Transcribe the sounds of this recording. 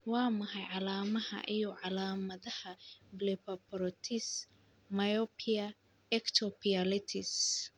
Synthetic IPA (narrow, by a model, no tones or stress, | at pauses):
wɑːmɐɦɐjʕɑlaːmɐhɐ̰ʔijɔʕɑlaːmɐðɐhɐblɛpʰɐpʰɔɾɔt̪ʰɪs | mɐjɔpʰiɐ | ɛkt̪ʰɔpialɪt̪ʰɪs